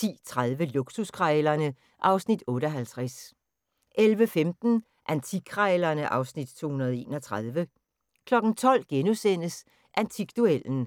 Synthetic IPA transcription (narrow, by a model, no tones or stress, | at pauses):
ḭːt͡sʰʁaðˠʋəluɡ̥suskʰʁɑlɐnə | ʔɑ̈ʊsnid̥ɔ̽ːɾəɒ̽ɦælt͡sʰʁas | ʔelʋəfemd̥n̩ | ʔænt͡sʰiɡ̥ʰʁalɐnəʔɑ̈ʊsnid̥t͡sʰo̝̰ːhunɐð̞ˠe̝̰ːnɒ̽t͡sʰʁað̞ˠʋə | kʰlɒ̽ɡ̥n̩t͡sʰɒ̽l̰ɡ̥enusen̰əs | ʔænt͡sʰiɡ̥̚d̥uel̰n̩